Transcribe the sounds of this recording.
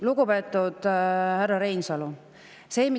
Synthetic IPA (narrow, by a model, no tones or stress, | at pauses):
luɡupe̞ːt̪ːˑud̪̥hærːɑɾe̞jnsɑlu | se̞ːmi